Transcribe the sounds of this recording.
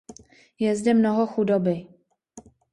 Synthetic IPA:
jɛzdɛmnoɦoxudobɪ

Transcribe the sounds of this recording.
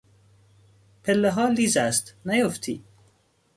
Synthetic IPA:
pʰelːeɦɒːliːzæst̪næjoft̪ʰiː

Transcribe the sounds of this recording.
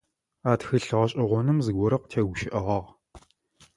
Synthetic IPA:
aːtxɨɬɨʁɐɕʼɪʁʷɔnɨmzɨɡʷɔɾɐqtʰɐɡʷʊʃɪʔɐʁɐʁ

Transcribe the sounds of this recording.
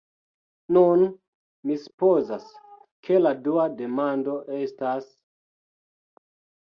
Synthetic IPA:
nun | misu̥pozas | kʰe̞laduade̞mando̞ʔe̞stas

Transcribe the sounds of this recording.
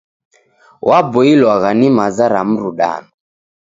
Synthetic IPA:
wʔabɔilwaɣanimazaɾam̩ɾuɗa̰nɔ

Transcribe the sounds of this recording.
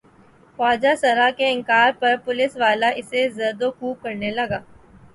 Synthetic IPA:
fɔːd͡ʒasɐɾakeɪ̃ŋkaːɾpɐɾpʊlɪsʋaːlaʔɪsezɐɾd̪okuːp̚kɐɾnelɐɡaː

